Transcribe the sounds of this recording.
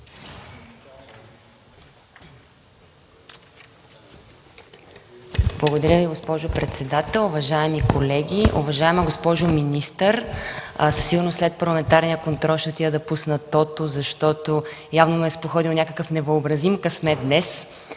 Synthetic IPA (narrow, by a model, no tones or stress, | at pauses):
blˠəɡod̪ɐɾʲəviɡospɔʒopɾɛt̪sɛd̪at̪ɛlˠʊvɐʒaɛmikolɛɡʲiʔṵvɐʒaɛməɡospɔʒʊminist̪əɾ | sə̥siɡʊɾnoslɛt̪̚pɐɾlˠɐmɛnt̪aɾnijəkont̪ɾɔlˠʃt̪ɛt̪iəd̪ɐpusnət̪ɔt̪ozɐʃt̪ɔt̪ojavnomɛɛspoxɔd̪ilˠnʲakəkəfnɛvəobɾɐzimkɐsmɛd̪nɛs